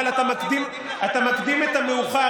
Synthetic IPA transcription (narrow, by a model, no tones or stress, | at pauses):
lat̪amakd̪im | at̪amakd̪imet̪ameuχa